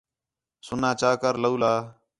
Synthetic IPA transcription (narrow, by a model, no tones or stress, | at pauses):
sʊnãːt͡ʃaːkəɾləuːlaː